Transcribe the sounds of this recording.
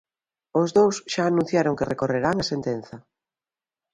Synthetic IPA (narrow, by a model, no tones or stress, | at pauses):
ozðowsʃaːnũn̟θjaɾoŋkerekoreɾaŋasent̪en̟θɐ